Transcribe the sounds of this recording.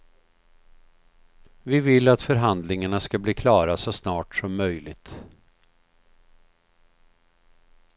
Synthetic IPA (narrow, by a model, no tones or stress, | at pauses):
vɪvɪlːat̪fœɾɦand̪lɪŋaɳaskabliːkʰlɑːɾasɔsnɑːʈsɔmːœjlɪ̰ɡt̪